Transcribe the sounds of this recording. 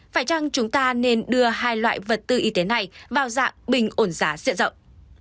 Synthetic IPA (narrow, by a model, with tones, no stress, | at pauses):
faː˧˩jt͡ɕa˧ŋt͡ɕʊ˨˦ŋ͡mt̪aː˧ne˧nɗɨ˧əɦaː˧jlwa̰ː˧˨jvə˨˩t̚t̪ɨ˧ʔi˨˧t̪e˨˦na˨˩jvaː˨˩wza̰ː˧˨ŋɓï˨˩ŋ̟ʔo˧˩nzaː˨˦zḭ˧˨ənzə̰˧˨wŋ͡m